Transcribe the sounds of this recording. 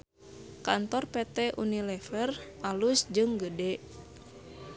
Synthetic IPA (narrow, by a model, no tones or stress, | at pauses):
kant̪ɔrpɛt̪ɛʔṵnilɛfərʔalusd͡ʒɨŋɡədɛ